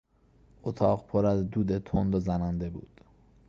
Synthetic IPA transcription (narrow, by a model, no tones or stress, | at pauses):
ʔot̪ʰɒːɢpʰoɾæzd̪uːd̪et̪ʰond̪ozænænd̪e̞bṵːd̪̥